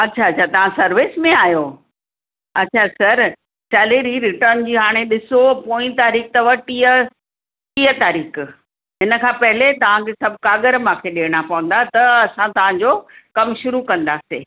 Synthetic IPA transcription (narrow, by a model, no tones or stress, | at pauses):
ɐtːɕʰaɐt͡ɕʰat̪ɐʋ̤ãsɐɾʋɪsmẽaːjo | ɐtːɕʰasɐɾ | sɛːleɾiɾɪʈəɾnd͡ʑiːɦaːɽ̃eɗɪsopoːĩt̪aːɾiːk̚t̪ɐʋɐʈiːɦə | iːɦət̪aːɾiːx | ɦɪnə̆kʰãːpɐɦɪlet̪ɐʋ̤ãkʰeːsɐbʱkaːɡəɾmãkʰeɗeːɽ̃apɐʋə̃n̆d̪at̪ɐɐsãt̪ɐʋ̤ãɲd͡ʑoːkɐmʃʊɾukɐ̃nd̪aːseː